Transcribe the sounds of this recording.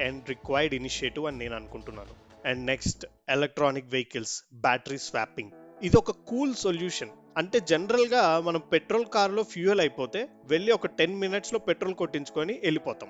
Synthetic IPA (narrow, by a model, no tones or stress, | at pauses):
ɛɳɖɾikʋaːjɐɾɖiniʃieʈiʋɐnine̞ːnɐnukuɳʈunːa̰ːnu | ɛɳɖneksʈ | elek̚ʈɾaːnikʋejikɐlsbaːʈɐɾiːsʋa̰ːpːiŋɡid̪iɔkɐkuːlsoljuːʂɐn | ɐɳʈe̞ːd͡ʒenɐɾɐlɡaːmɐnɐmpeʈɾo̞ːlkaːɾlo̞ːfʰjuːɐlɐjipo̞ːt̪e̞ː | ʋeɭːiɔkɐʈe̞nminɐʈslo̞ːpeʈːɾoːlko̞ʈːiɲt͡ʃu̥koːniʔelipɔːt̪a̰ːm